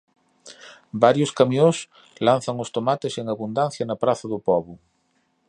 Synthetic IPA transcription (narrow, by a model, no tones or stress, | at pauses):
baɾjʊskamjõs | lan̟θɐŋʊst̪omat̪eseŋaβund̪an̟θjɐnɐpɾaθɐðʊpɔβʊ